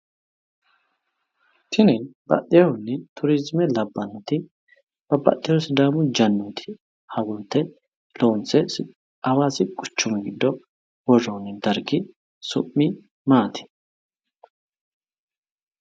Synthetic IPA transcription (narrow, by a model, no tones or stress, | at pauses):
t̪ʰɪnɛnbɐ̰ʔːɛʊnːɛt̪ʰʊɾɪzmɛlɐbːɐnːɔt̪ɪ | b̥ɐbɐ̰t̪ːɪjɔsɪd̪aːmʊd͡ʒɐnːuːt̪ʰɪ̥ | hɐwʊnt̪ːɛ | loːnsɛ | ɐwaːsɪɡʼʊt͡ʃːʊmɛɡɪd̪ːɔ | wɔrɔːnɛd̪ɐɾɡɪ | sʊ̰mːɪ | maːt̪ʰɪ̥